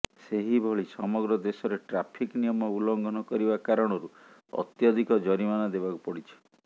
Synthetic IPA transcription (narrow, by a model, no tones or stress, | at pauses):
seɦibʱɔɭisɔmɔɡɾɔd̪esɔɾeʈɾapʰiknijɔmɔulɔŋɡʱɔnɔkɔɾibakaɾɔɽ̃ɔɾu | ɔ̰t̪jɔd̪ʱikɔd͡ʒɔɾimanad̪ebakupɔɽit͡ʃʰi̥